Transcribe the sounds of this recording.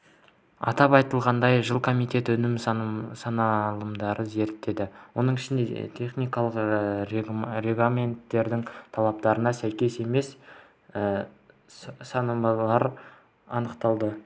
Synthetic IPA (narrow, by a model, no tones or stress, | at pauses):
ɑ̰t̪ɑpɑjt̪əlˠʁɑnd̪ɑjʒəlˠkʰo̞mijt̪e̞t̪ɵnɪmsɑnɑlˠəmd̪ɑɾʔəze̞ɾt̪ːe̞d̪ɪwo̞nəɴɪʃɪnd̪e̞̰t̪ʰe̞χnijkɑlˠəq | ɾe̞ɡlˠamʲe̞nt̪ːe̞ɾd̪ɪŋt̪ʰɑlˠɑp̚t̪ɑɾənɑsæjkʲe̞se̞me̞s | ə | sɑnəmɑlˠɑɾ | ɑnəqt̪ɑlˠd̪ə